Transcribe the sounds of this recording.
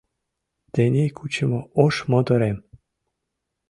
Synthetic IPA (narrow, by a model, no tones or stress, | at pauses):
t̪enʲejkʰut͡ɕə̆mooʃmŏd̪ɤ̆ɾem